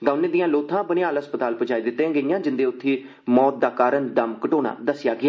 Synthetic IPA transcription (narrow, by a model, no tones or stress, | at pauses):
ɡ̪aʊneːd̪ɪjãːloːt̪ʰãːbənɪjaːlɦəspət̪aːlpəd͡ʒaːiːd̪ɪt̪ːẽːɡəijãːd͡ʒɪnd̪eːʊt̪ʰːiː | mɔːt̪̚d̪aːkaːɾəɳd̪əmkəʈoːna̰ːd̪əsɪjaːɡɪaː